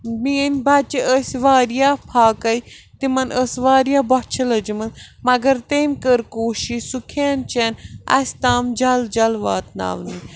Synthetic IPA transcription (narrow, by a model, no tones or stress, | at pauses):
minʲbɐt͡ʃiʔəsʲʋaːɾjaːpʰaːkɐjt̪imɐnəsʋaːɾjaːbɔt͡ʃʰɐlɐd͡ʒimɨsmɐɡɐɾt̪eːmkəɾkoːʃisukʰeːnt͡ʃenɐ̰sʲt̪aːmd͡ʒɐld͡ʒɐlʋaːt̪na̰ːʋni